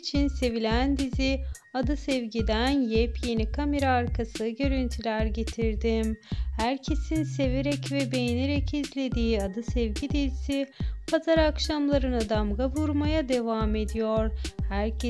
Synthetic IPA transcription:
t͡ʃʰinse̞vilʲænd̪izi | ad̪ɯsɛvɟid̪ænjɛpje̞nikʰameɾaːɾkʰasɯɟø̞ɾynt̪ʰylʲæɾɟe̞t̪ʰiɾd̪imhæɾcʰe̞sinse̞veɾɛcvɛbejneɾɛcʰizlʲe̞d̪iːad̪ɯsɛvɟid̪izsipʰazaɾakʃamlˠaɾɯnad̪amɡavuɾmajad̪e̞vame̞d̪ijo̞ɾhæɾ

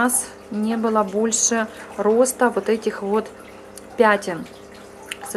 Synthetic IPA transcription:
as | nʲe̞bɨlˠəbo̞lʲʂɨɾo̞st̪əvo̞t̪ɛtʲɪxvo̞t̪ | pʲætʲɪn | s

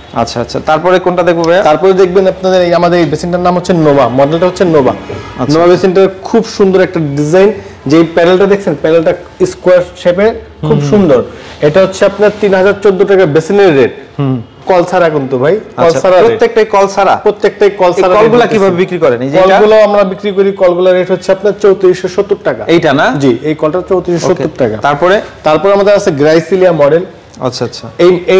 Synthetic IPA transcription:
a̰tːɕʰaa̰ːɕʰa̰t̪aɾpɔɾekonʈad̪ek̚ʰbobʱat̪aɾpɔɾed̪ek̚ʰbenapnad̪eɾeamad̪eɾejbesinʈaɾnamɦotːɕʰenobamɔɖelʈaɦotːɕʰenoba̰anobabesinʈaɾkʰubʃund̪oɾɛk̚ʈaɖid͡ʑajnd͡ʑeejpɛnelʈad̪ekʰt͡ɕʰenpɛnelʈa | iskuaɾʃepeɾʰ | ubʃund̪oɾ | eʈaɦotːɕʰeapnaɾt̪inɦad͡ʑaɾt͡ɕod̪ːoʈakabesineɾːeɖ̚ | kɔlt͡ɕʰaɾakunt̪ubʱajkɔlʰaɾaɾoet̪ːek̚ʈajkɔlt͡ɕʰaɾa̰pɾot̪ːek̚ʈajkɔlt͡ɕaɾaɔlɡulakibʱabebikɾikɔɾeniɔlaɡulaamɾabikɾikoɾikɔlɡulaɾeʈɦotːʰeapnaɾt͡ɕowt̪iɾiʃeʃot̪ːoɾʈaka̰ejʈanad͡ʑiejkɔlʈat͡ɕowt̪iɾiʃʃotːoɾʈaka̰t̪aɾpɔɾet̪aɾpɔɾeamad̪eɾat͡ɕʰeɡɾajsiliamɔɖel | a̰tːʰaatːʃʰaee

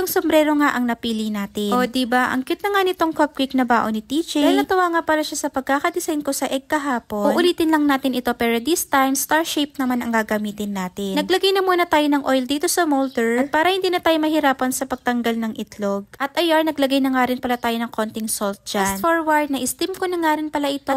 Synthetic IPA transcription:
ɐŋsombɾɛːɾo̞ŋaʔɐŋnɐpiːlɪnaːt̪ɪʔod̪ibaʔɐ̰ŋkɪt̪̚nɐŋanɪt̪o̞ŋkop̚kwiknɐbaːʔo̞nɪt̪iːt͡ʃailnɐt̪ɐwaːŋapɐlaʃasɐpɐɡ̚kaːkɐd̪ɪsajnko̞sɐʔɛɡ̚kɐɦaːpo̞onʔʊliːt̪ɪnlɐŋnaːt̪ɪnʔɪt̪o̞pɛːɾo̞d̪ist̪ajmst̪aɹʃɛjp̚nɐmanɐŋɡaɡɐmiːt̪ɪnːaːt̪ɪnɐɡlɐɡajnɐmuːnɐt̪aːjonɐŋʔojld̪iːt̪o̞sɐmold̪ɛɹɐpaːɾɐhɪnd̪iːnɐt̪aːjomɐhɪɾaːpɐnsɐpɐɡ̚t̪ɐŋɡalnɐŋʔɪt̪lo̞ɡʔɐt̪ʔɐjaɹnɐɡlɐɡajnɐŋaːɾɪnpɐlat̪aːjonɐŋko̞nt̪ɪŋsolt̪̚d͡ʒasnfoɹwɐɹd̪̚nɐʔɪst̪imkonɐŋaːɾɪnpɐlaʔɪt̪o

